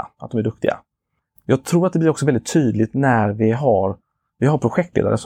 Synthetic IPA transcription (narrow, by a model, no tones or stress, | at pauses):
ʔat̪̚d̪ɔmæɖɵk̚t̪ɪɡa̰ | jɑːɡ̚t̪ʰɾuːɾat̪d̪ɛb̪ɪɾɔksɔvɛldɪt̪ʰːyːd̪lɪt̪næɾvɪɦaɾ | vɪɦaɾpʰɾʊɧɛk̚t̪lḛːd̪a̰ɾəs